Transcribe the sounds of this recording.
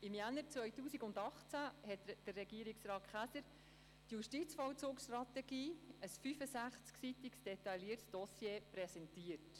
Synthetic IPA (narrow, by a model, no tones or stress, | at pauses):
ɪmjænəɾt͡sʋœjtuːsiɡʊndɑχt͡sæhɛtd̥ərːɛɡ̥iəɾɪksrɑːtχæsəɾ | tjuʃtit͡sfɔwt͡sʊːksʃtɾɑt̪ɛɡiːəsfyfəsæχt͡sksit̪iksd̥ɛtɑliətsd̥ɔsjeːpɾɛsɛntiət